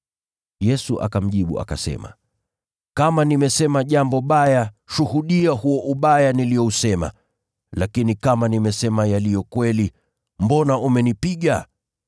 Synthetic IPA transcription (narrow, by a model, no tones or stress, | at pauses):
jɛsuʔa̰kam̩ʄiɓṵa̰ka̰sɛ̰ma̰ | kamanimɛsɛmaʄambɔɓajaʃuhuɗiahuɔʔuɓajanilijɔusɛma̰ | lakinikamanimɛsɛmajalijɔkwɛli | mbɔnaumɛnipiɠa